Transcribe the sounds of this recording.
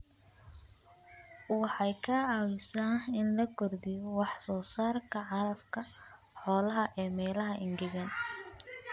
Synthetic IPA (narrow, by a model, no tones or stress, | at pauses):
wɑħɑjkʰaːʕɑwɪsaːnɪnlɐɡʰɔrd̪ɪjɔwɑħsɔːsaːrkʰɐʕɑɾɐbkʰɐ | ħɔːlɐɦɐʔɛːmɛːlɐɦɐʔɪŋɡɪɣɐn